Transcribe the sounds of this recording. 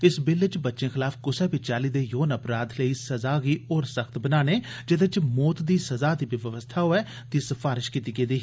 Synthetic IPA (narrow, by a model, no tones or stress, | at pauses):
ɪsbɪlət͡ʃbətːʃẽːxɪlaːfʰkʊsɛːbit͡ʃaːliːd̪eːjoːnəpɾaːd̪ləiːsəzaːɡiːoːɾsəxt̪bənaːneːd͡ʒɪd̪ət͡ʃmɔːt̪d̪iːsəzaːd̪iːʋɪʋəʋəst̪ʰaːɦoːɛː | t̪iːsəfaːɾɪʃkiːt̪iːɡeːd̪iː